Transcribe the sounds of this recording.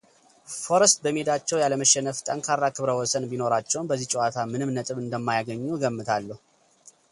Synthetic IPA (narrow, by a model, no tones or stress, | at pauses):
fo̞ɾəst̪̚bəmed̪at͡ʃːɛwjaləməʃːɛnəft̪ʼəŋkʰarːakʰɨβɾəwɔsənbino̞ɾat͡ʃːɛwnbəzːit͡ʃʼɛwat̪ʰamɨnɨmnət̪ʼɨβɨnd̪əmːajaɡəɲːuɡəmːɨt̪ʰalːəhu